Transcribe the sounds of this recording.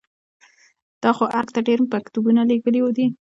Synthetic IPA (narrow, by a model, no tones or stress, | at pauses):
d̪̥ɑxoʔaɾkt̪aɖeɾmpakt̪ubunaleɡəliwod̪i